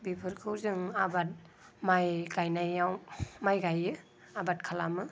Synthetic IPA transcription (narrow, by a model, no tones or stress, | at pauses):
bibʰɯɾkʰɯwzɯŋabat̚ | majɡajnajawmajɡajɯ | abat̚kʰalamɯ